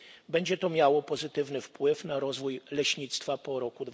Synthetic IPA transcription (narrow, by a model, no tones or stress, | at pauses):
bɛɲd͡ʑɛt̪ɔmʲjawɔpɔzɘt̪ɘvnɘfpwɘfnaɾɔzvujlɛɕɲit̪st̪fapɔɾɔkud̪v